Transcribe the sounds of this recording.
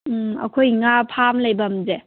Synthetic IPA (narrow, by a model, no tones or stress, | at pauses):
ɐ̰kʰojŋapʰamləjbamze